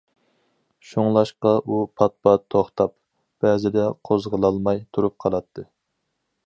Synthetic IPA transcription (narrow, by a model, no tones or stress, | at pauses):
ʃuŋlˠɑʃqɑʔupʰɑt̪̚pɑt̪ʰːoχt̪ʰɑp̚ | b̥ɛːzɪd̪ɛqʰozʁəlˠɑlˠmɑjt̪ʰuɾup̚qʰɑlˠɑt̪ʰːɨ